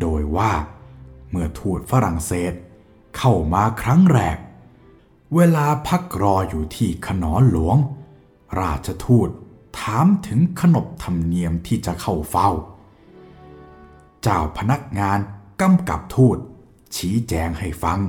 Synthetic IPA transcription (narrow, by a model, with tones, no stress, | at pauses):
doː˧jwaː˥˩ | mɯ˥˩ɐt̪ʰuː˥˩t̪̚fa˧ɾa˨˩ŋseː˨˩t̪̚ | kʰa˥˩wmaː˧kʰɾa˦˥ŋɾɛː˨˩k̚ | weː˧laː˧pʰa˦˥k̚ɾɔː˧juː˨˩t̪ʰiː˥˩kʰa˧nɔː˩˦nlu˩˦əŋ | ɾaː˥˩t̪̚t͡ɕʰa˧t̪ʰuː˥˩t̪̚ʰ | aː˨˦mt̪ʰɯ˩˦ŋkʰa˧no˨˩p̚t̪ʰa˧mni˧əmt̪ʰiː˥˩t͡ɕa˨˩kʰa˧˩wfa˧˩w | t͡ɕaː˧˩wpʰa˧na˦˥˩k̚ŋaː˧nka˧mka̰˨˩p̚t̪ʰuː˥˩t̪̚ | t͡ɕʰiː˨˦t͡ɕɛː˧ŋha˥˩jfa˧ŋ